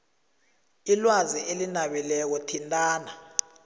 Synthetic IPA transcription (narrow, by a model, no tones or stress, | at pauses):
ilwaziʔelinaɓilɛk̬ɔtʰintʼaːna